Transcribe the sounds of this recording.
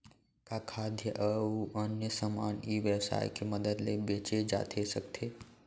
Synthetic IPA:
kakʰaːd̪ʱjəʔəuənjəsəmaːniːʋjəwsa̰ːjkeməd̪əd̪lebeːt͡ʃed͡ʒa̰ːt̪ʰesəkt̪ʰe

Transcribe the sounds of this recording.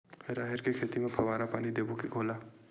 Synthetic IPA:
eɾaːɦɪɾkekʰeːt̪imẽpʰəʋaːɾapaːnid̪eːbokiɡʰʱoːlaː

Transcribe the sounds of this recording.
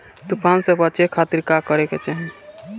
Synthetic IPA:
t̪upʰaːnsebət͡ʃekʰat̪iɾkakəɾeket͡ʃaɦɛn

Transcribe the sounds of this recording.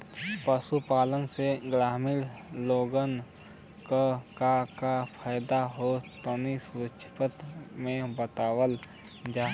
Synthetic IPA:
pəsupaːlənseɡɾaːmiɾloːɡən | kokakapʰaːɪd̪aɦot̪ənisʊɾəkʃʰɪ̥pət̪mẽbət̪aːwəl | d͡ʒaː

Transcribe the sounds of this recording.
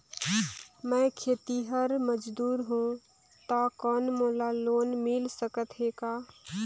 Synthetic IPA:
məkʰeːt̪iɦəɾməd͡ʒd̪uːɾɦũ | t̪akɔːnmoːlalonmilsəkət̪ɦekaː

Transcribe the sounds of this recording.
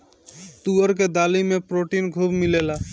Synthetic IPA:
t̪uəɾked̪aːlimẽpɾoːʈinɡʱubmɪleːla

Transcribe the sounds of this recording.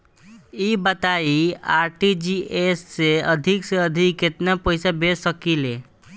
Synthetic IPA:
ibət̪aiaɾʈid͡ʒiesːeəd̪ʱikseəd̪ʱikːet̪napəɪsabessəkile

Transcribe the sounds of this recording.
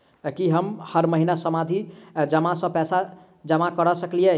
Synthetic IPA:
kiɦəmhəɾməɦinasəmad̪ʱid͡ʒəmasə̃pɛsa | d͡ʒəmakəɾɔsəkliɛ

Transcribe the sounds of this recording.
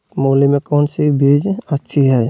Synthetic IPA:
moːlimẽkɔːnsibʱid͡ʒətːʃʰiɦɛː

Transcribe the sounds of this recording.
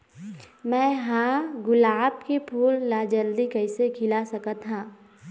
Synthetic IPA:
mɛ̃ːɦãɡʊlaːb̚kepʰuːlːaːd͡ʒəld̪ikɐɪsekʰɪlasɐkət̪ɦãː

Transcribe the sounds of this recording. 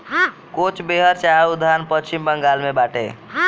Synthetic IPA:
kot͡ʃʰbeɦəɾt͡ʃaud̪ʱanpət͡ʃimbəŋɡalmebaʈḛ

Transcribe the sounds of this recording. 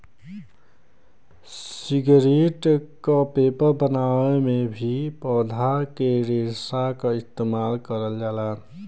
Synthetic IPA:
ssiɡɾeʈkapepəɾbənaemebʱipɔːd̪ʱakeɾesakaɪst̪emaːlkəɾəld͡ʒaːla

